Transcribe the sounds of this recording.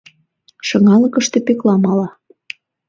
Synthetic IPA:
ʃɤŋɑlɤ̆kə̆ʃt̪e̽peklɑmɑlɑ

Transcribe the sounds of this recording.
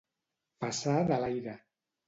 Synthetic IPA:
pasaðalajɾa

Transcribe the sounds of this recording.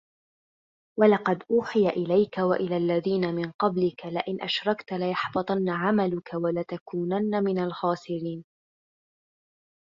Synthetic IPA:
walɑqɑd̪ʔuːħɪjaʔɪlajkawa̰ʔɪlaːlːaðiːnamɪnqɑblɪkalɪʔɪnʔaʃɾˤɑkt̪alajɑħbɑt̪ˤɑnːaʕamalʊkawalat̪akuːnanːamɪnalxɑːsɪɾiːn

